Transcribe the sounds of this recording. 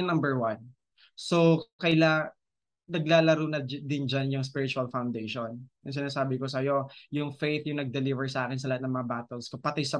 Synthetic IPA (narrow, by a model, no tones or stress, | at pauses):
nɐ̃mbɛɹwan | sokɐjla | nɐɡ̚laːlɐɾuːnɐd̪ɪnd͡ʒanjʊŋspɪɾɪt͡ʃuɐlfawnd̪ejʃonjʊŋs̬ɪnaːsaːbɪkos̬ɐjo̞jʊŋfejt̪jʊŋnɐɡ̚d̪ɛlivɛɹsɐʔaːkɛns̬ɐlɐhat̪̚nɐŋmɐŋabaːt̪ɛlskopɐt̪ɪjsɐ